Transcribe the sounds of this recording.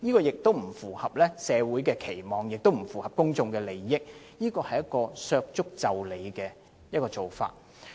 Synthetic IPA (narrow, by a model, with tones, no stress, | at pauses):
jiː˥kɔː˧jɪ˨k̚t̪o˥wm̩˨˩fuː˨˩hɐ˨p̚lɛː˥sɛː˨˧wuː˨˥jkɛː˧kʰe˨˩jmɔː˨˩ŋjɪ˨k̚t̪o˥wm̩˨˩fuː˨˩hɐ˨p̚kʊ˥ŋt͡sʊ˧ŋkɛː˧le˨jːɪ˥k̚ | jiː˥kɔː˧hɐ˨jɐ˥t̚kɔː˧sœː˧k̚t͡sʊ˥k̚t͡sɐ˨wle˨˧jkɛː˧ | jɐ˥t̚kɔː˧t͡so˨wfa̰ː˧t̚